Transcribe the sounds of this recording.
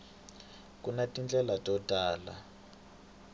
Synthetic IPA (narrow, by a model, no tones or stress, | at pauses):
kunatʼind͡ɮʼɛlatʼɔtaːla̰